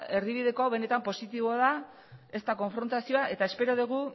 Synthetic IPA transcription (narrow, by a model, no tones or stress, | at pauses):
e̞riβið̞e̞koawβe̞ne̞t̪ampo̞sit̪iβoaða | e̞st̪ako̞ɱfɾo̞nt̪asioaʔe̞t̪ae̞spe̞ɾoðuɣ̞u